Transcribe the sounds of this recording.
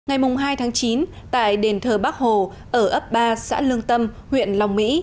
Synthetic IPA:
ŋa˨˩jmʊ˨˩ŋ͡mɦaː˧jt̪ʰaː˨˦ŋt͡ɕi˨˦n | t̪a̰ː˧˨jɗe˨˩nt̪ʰəː˨˩ɓaː˦˥k̚ho˨˩ | ʔəː˧˩ʔə˦˥p̚ɓaː˧sa̰ː˧˥lɨ˧əŋt̪ə˧m | hwḭ˧˨ənla˨˩wŋ͡mmḭ˧˥

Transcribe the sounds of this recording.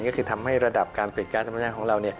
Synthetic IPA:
nkɔː˥˩kʰɯː˧t̪ʰa˧mha˥˩jɾa˧da˨˩p̚kaː˧npi˨˩kaː˧˩nt̪ʰmː˦aː˥˩kʰːɾa˧wni˥˩ɐ

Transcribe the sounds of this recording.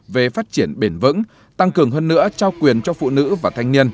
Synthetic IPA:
ve˨˩faː˦˥t̚t͡ɕi˧˩ənɓe˧˩nvɨ̰˧˥ŋ | t̪a˧ŋkɨ˨˩əŋɦəː˧nːɨ̰˧˥ət͡ɕaː˧wkwi˨˩ənt͡ɕɔ˧fṵ˧˨nɨ̰˧˥vaː˨˩t̪ʰa˧jŋ̟ni˧ən

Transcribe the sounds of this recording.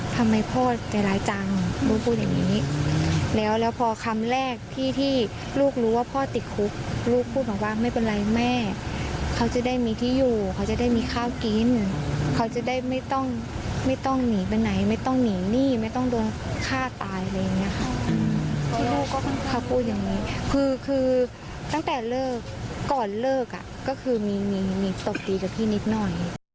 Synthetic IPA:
t̪ʰa˧mːa˧jpʰɔː˧˥˩t̪ɛː˨˩laː˨˦jt͡ɕa˧ŋluː˧˦kʰuː˧˩t̪̚ja̰˨˩nḭː˨˦˥ | lɛː˦˥wlɛː˦˥wpʰɔː˧kʰa˧mlɛː˧˥˩k̚t̪ʰiː˧˥˩t̪ʰiː˧˥˩ | luː˥˩k̚ɾuː˨˦˥waː˧˩pʰɔː˧˥˩t̪i˨˩t̪̚kʰu˦˥k̚luː˥˩k̚pʰːuː˥˩t̪̚baː˨˩k̚waː˧˥˩ma˥˩jpe˧nla˧jmɛː˧˥˩kʰa˧˥wt͡ɕa˨˩˦da˥˩jmiː˧t̪ʰiː˧˥˩juː˨˩kʰa˧˩wt͡ɕa˨˦da˥˩jmiː˧xʰaː˥˩wki˧nkʰa˧˥wt͡ɕa˨˧˦da˥˩jma˥˩jt̪ɔ˥˩ŋ | ma˥˩jt̪ɔ˥˩ŋniː˨˩˦pa˧nːa˩˦jma˥˩jt̪ɔ˥˩ŋniː˨˩˦niː˥˩ma˥˩jt̪ɔ˥˩ŋdoː˧n | kʰaː˥˩t̪aː˧jla˧jːa˨˩ŋːi˦˥ɐ˧kʰa˧˥˩ʔɯː˧t̪ʰiː˧˥˩luː˥˩kːɔː˥˩kʰa˧˥˩n˨˩kʰa˧˩pʰuː˧˥˩t̪̚ja˨˩ŋniː˦˥kʰɯː˧kʰɯː˧ | t̪a˥˩ŋt̪ɛː˨˩lɤː˥˩kːɔː˨˩nlɤː˥˩k̚a̰˨˩kɔː˥˩kʰɯː˧miː˧miː˧niː˨˩˦t̪o˨˩p̚diː˧ka˨˩pt̪ʰiː˥˩˨ni˦˧˥t̪̚nɔ˧˩j

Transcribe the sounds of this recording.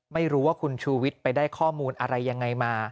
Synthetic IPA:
ma˥˩jɾuː˦˥waː˥˩kʰu˧nt͡ɕʰuː˧wi˦˥t̪̚pa˧jdaː˥˩jkʰɔː˥˩muː˧nʔa˧ɾa˧jːa˧ŋːa˧jmaː˧

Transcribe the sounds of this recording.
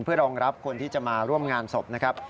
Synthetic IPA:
npʰɯ˥˩ɐɾɔː˧ŋɾa˦˥p̚kʰo˧nt̪ʰiː˥˩t͡ɕa˨˩maː˧ɾu˥˩əmŋaː˧nso˨˩p̚na˦˥kʰɾa˦˥p̚

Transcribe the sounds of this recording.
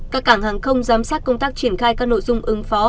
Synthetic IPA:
kkaː˦˥k̚ːaː˧˩ŋhaː˨˩ŋxə˧wŋ͡mzaː˨˦msaː˦˥t̚kə˧wŋ͡mt̪aː˦˥k̚t͡ɕi˧˩ənxaː˧jkaː˦˥k̚no̰˧˨jzʊ˧ŋ͡mʔɨ˨˦ŋfɔ˨˦

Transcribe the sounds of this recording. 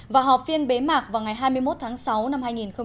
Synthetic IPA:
vaː˨˩ɦɔ˨˩p̚vi˧ənɓe˨˦maː˨˩k̚vaː˨˩wŋa˨˩jɦaː˧jmɨ˧əjmo˦˥t̚t̪ʰaː˨˦ŋsa˨˦wna˧mhaː˧jŋi˨˩nxə˧ŋ͡m

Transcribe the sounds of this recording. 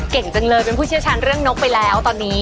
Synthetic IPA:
ke˨˩ŋt͡ɕə˧ŋlɤː˧jpe˧npʰuː˥˩i˥˩wt͡ɕʰa˦˥nɾɯ˥˩əŋno˦˥pa˧jlɛː˦˥wt̪ɔː˧nːiː˦˥

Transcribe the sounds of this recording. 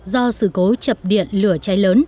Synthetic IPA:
zɔ˧sɨ˧˩ko˨˦t͡ɕə˨˩p̚ɗḭ˧˨ənlɨ˧˩ət͡ɕa˨˦jləː˨˦n

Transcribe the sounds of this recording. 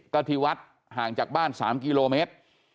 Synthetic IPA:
ka˧t̪ʰiː˧wa˦˥t̪̚ | haː˨˩ŋt͡ɕaː˨˩k̚baː˥˩nsa̰ː˩˦mkiː˧loː˧meː˦˥t̪̚

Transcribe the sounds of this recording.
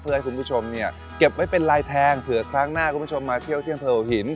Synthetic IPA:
p̪ʰɯ˧jkʰu˧mpʰu˥˩t͡ɕʰo˧mni˥˩ɐ | ke˨˩p̚wa˧˥˩jpe˧nlaː˧jt̪ʰɛː˧ŋt̪ʰɯ˩˦ɐkʰɾaː˦˥˩ŋnaː˥˩kʰu˧˦mʰpu˥t͡ɕʰo˧mːaː˧t̪ʰi˥˩əwt̪ʰi˥˩əŋt̪ʰɤː˧ʔo˨˩hi˩˦n

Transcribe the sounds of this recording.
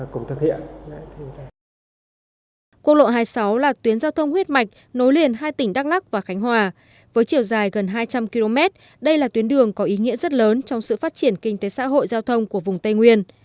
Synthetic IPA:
kʊ˨˩ŋ͡mt̪ʰɨ˦˩k̚hḭ˧˨ənla̰ː˧˨jt̪ʰɨ˧˨a˧˩ | kwənlo̰˧˨jɦaː˧jsa˨˦wlaː˨˩t̪wi˨˦nzaː˧wt̪ʰə˧wŋ͡mhwi˦˥t̚ma˨˩jk̟̚ | no˨˦jli˨˩ənɦaː˧jt̪ï˩ŋ̟ɗa˦˥k̚la˦˥k̚vaː˨˩xa˨˦jŋ̟ɦwaː˨˩ | vəː˨˦jt͡ɕi˧˩əwzaː˨˩jɣə˨˩nɦaː˧jt͡ɕa˧mki˧lo˧mɛ˦˥t̚ | ɗə˧jlaː˨˩t̪wi˨˦nɗɨ˨˩əŋkɔ˨˦ʔi˨˦ŋḭ˧˥əzə˦˥t̚ləː˨˦nt͡ɕɔ˧wŋ͡msɨ̰˧˨faː˦˥t̚t͡ɕi˧˩ənkï˧ŋ̟t̪e˨˦sa̰ː˧˥ɦo̰˧˨jzaː˧wt̪ʰə˧wŋ͡mku˧˩əvʊ˨˩ŋ͡mt̪ə˧jŋwi˧ən

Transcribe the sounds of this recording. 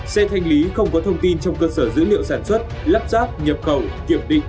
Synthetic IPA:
sɛ˧t̪ʰa˧jŋ̟li˨˦xə˧wŋ͡mkɔ˨˦t̪ʰə˧wŋ͡mt̪i˧nt͡ɕɔ˧wŋ͡mkəː˧səː˧˩zɨ̰˧˥lḭ˧˨ə˨wsaː˧˩nswə˦˥t̚la˦˥p̚zaː˦˥p̚ɲə˨˩p̚xə˨˩wki˧˩əmɗḭ̈˧˨ŋ̟

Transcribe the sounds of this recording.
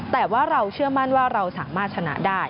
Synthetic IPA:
t̪ɛː˨˩waː˥˩ɾa˧wt͡ɕʰɯ˥˩əma˥˩nwaː˥˩ɾa˧wsaː˩˦maː˥˩t̪̚t͡ɕʰa˧na̰˦˥daː˥˩j

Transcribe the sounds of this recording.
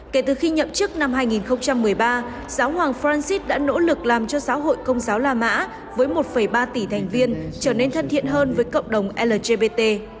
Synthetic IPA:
ke˧˩t̪ɨ˨˩xi˧ɲə̰˧˨mt͡ɕɨ˦˥k̚na˧mɦaː˧jŋi˨˩nxə˧wŋ͡mt͡ɕa˧mːɨ˨˩əjɓaː˧ | z̥aː˨˦whwaː˨˩ŋfɾa˧nsi˦˥t̚ɗa̰ː˧˥no̰˧˥lɨ˨˩k̚laː˨˩mt͡ɕɔ˧za̰ː˨˦wɦo̰˧˨jkə˧wŋ͡mzaː˨˦wlaː˧˩ma̰ː˧˥ | vəː˨˦jmo˨˩t̚fə˧˩jɓaː˧t̪i˧˩t̪ʰa˨˩jŋ̟vi˧ənt͡ɕəː˧˩ne˧nt̪ʰə˧nt̪ʰḭ˧˨ənɦəː˧nvəː˨˦jkə̰˧˨wŋ͡mɗə˨˩wŋ͡mʔɛ˧ləː˨˩ze˧ɓe˧t̪e˧

